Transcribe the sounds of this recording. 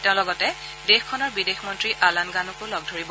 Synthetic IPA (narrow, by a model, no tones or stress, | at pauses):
tɛ̃ʊ̃lɔɡɔtɛ | dexkʰːɔnɔɹbidexmɔntɹiʔalanɡanukʊlɔɡ̚dʱoɹib